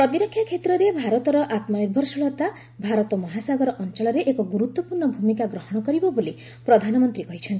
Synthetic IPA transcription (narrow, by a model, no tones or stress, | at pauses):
pɾɔt̪iɾɔkʰːjakʰet̪ɾɔɾebʱaɾɔt̪ɔɾɔʔat̪mɔebʱɔɾsuɭɔt̪a | bʱaɾɔt̪ɔmɔɦasaɡɔɾɔʔɔnt͡ʃɔɭɔɾeʔekɔɡuɾut̪wɔpuɾɳɔbʱumikaɡɾɔɦɔɽ̃ɔkɔɾibɔboli | pɾɔd̪ʱanɔmɔnt̪ɾikɔɦit͡ʃʰɔnt̪i